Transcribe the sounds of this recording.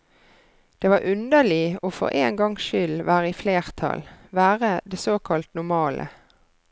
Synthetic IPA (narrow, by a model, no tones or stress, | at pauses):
d̪̥eːʋɑːʁʔʉnd̪əlɪoːfɔ̰ʁʔḛːŋɡɑŋʃʏlʋæːʁəɪfleːʁt̪ʰɑ̰lʋæːʁəd̪eːsoːkʰɑlt̪nʊmɑːlʔə̰